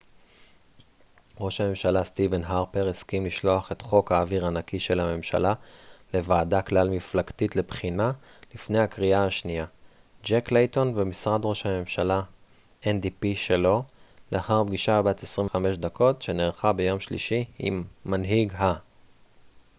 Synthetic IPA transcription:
ʁo̞ʃhame̞mʃalastivenɦaʁpeʁeskimliʃlo̞aχe̞tχo̞khaːviʁanakiʃe̞lhame̞mʃa̰lale̞vaːdaklalmiflaktitle̞bχinalifnejhakʁiaaʃnija | d͡ʒeklejto̞nbemisʁadʁo̞ʃhame̞mʃala | ʔend̪ipiʃelo̞leaχaʁbɡiʃabat̪esʁimame̞ʃd̪akʰo̞tʃe̞neʁχabe̞jo̞mʃlḭʃiḭmːanɦiɡɦa

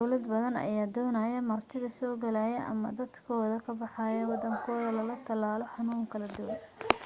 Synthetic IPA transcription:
dwlɐd̪bɐðɐnɐ̰jaːd̪ɔːnɐːjɐmɐrt̪ʰɪðɐsɔːɡɐlaːjɛʔɐ̰mɐ̰d̪ɐd̪kʰɔːðɐkʰɐbɑħɑːjɐwɑd̪ɐŋkʰɔːðɐlɐlɐt̪ʰɐlaːlɔħɑnuːŋkʰɐlɐd̪ʊwɐn

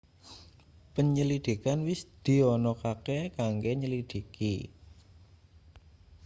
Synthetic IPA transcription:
pəɲəlid̪̥i̤kanwisd̪̥i̤ɔnɔkakekaŋɡeɲəlid̪̥i̤kʰḭ

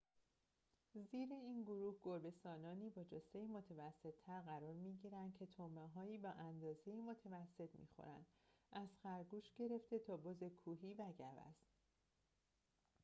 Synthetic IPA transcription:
ziːɾeiːnɡoɾuːhɡoɾbe̞st̪ɒːnɒːniːbɒːd͡ʒosejiːmo̞t̪ʰevæsːe̞t̪ʰːæɾɣæɾɒːɾmiːɟiːɾænd̪̚cʰe̞t̪ʰomeɦɒːiːbɒːʔænd̪ɒːze̞jiːmot̪ʰevæsːe̞t̪ʰmḭːxo̰ɾæ̰nd̪̥ʔæzxæɾɡuːʃɟe̞ɾe̞ft̪e̞t̪ʰɒːboze̞kʰuːɦiːvæɟævæ̰s

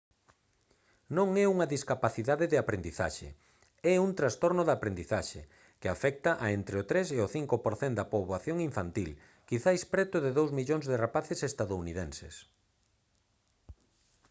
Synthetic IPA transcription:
nõŋɛuŋɐðiskapaθiðaðɪðɪapɾend̪iθa̰ʃḛ | ɛunt̪ɾast̪oɾnʊðapɾend̪iθaʃḛ | kɪafɛk̚t̪ɐʔaent̪ɾeot̪ɾeseoθiŋkopoɾθend̪ɐpoβoaθjoŋiɱfant̪il | kiθajspɾɛt̪ʊðɪðowzmiʎoŋzðɪrapaθesest̪aðouniðẽnsḛs

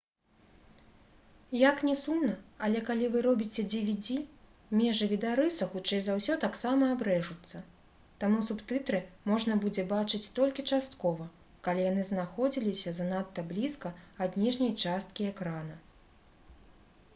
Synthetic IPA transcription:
jaknʲɛsumnɐːlʲɛkalʲivɨɾɔbʲit͡sʲɛd͡zʲɛvʲid͡zʲi | mʲɛʐɨvʲid̪aɾɨsɐxut͡ʂɛjzawsʲɔt̪aksamɐːbɾɛʐut̪sːɐ | t̪amusupt̪ɨt̪ɾɨmɔʐnɐbud͡zʲɛbat͡ʂɨt͡sʲt̪ɔlʲkʲit͡ʂast̪kɔvɐ | kalʲijan̪ɨznaxɔd͡zʲilʲisʲɐzanat̪ːɐblʲiskɐad̪ʲnʲiʐnʲɐjt͡ʂast̪̚kʲiɛkɾanɐ

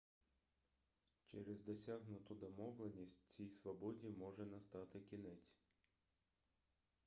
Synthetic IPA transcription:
t͡ʃɛɾezd̪ɔsʲaɦnʊt̪ʊd̪ɔmɔwlˠenʲisʲtʲt͡sʲijsʋɔbɔdʲimɔʒɛnɐst̪ɑt̪ɪkʲinɛt͡sʲ

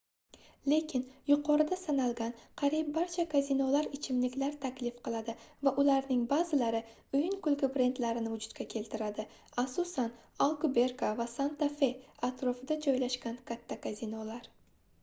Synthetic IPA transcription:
le̞kʲʰɪnjʊqʰɒɾɪd̪asanalˠɡʲanqʰɑɾijɪp̚baɾt͡ʃʰakʰazinolaɾɪt͡ʃʰɪmlɪkʲlaɾt̪ʰakʲlɪfqɨlˠad̪ɪvaʔʊlaɾnɪŋbazɪlaɾɪ | ʊjɪnkʊlɡʲɪpɾe̞nt̪laɾɪnɪvʊd͡ʒʊt̪kʲakʲʰe̞lt̪ʰɪɾad̪ɪ | asʊsanalˠkʊbe̞ɾkavasant̪afe̞at̪ɾofɪd̪ad͡ʒɒjlaʃkʲankʰat̪ʰːakazinolaɾ

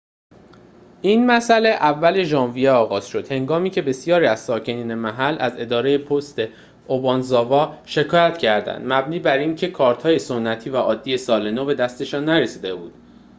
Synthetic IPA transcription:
ʔiːnmæsæle̞ʔævːæle̞ʒɒːnvijeɒːɣɒːz̥ʃo̞d̪̥he̞ŋɡɒːmiːcʰe̞be̞sijɒːɾiːæz̥sɒːcʰe̞niːne̞mæɦælæ̰ze̞d̪ɒːɾe̞je̞pʰost̪e̞ | ʔobɒːnzɒːvɒːʃe̞kʰɒːjæt̪cʰæɾd̪æ̰nd̪mæbniːbæɾincʰe̞kʰɒːɾt̪hɒːje̞so̞nːæt̪ʰiːvæʔɒːd̪ːije̞sɒːle̞nobe̞d̪æst̪e̞ʃɒːnːæɾe̞siːd̪e̞buːd̪̥

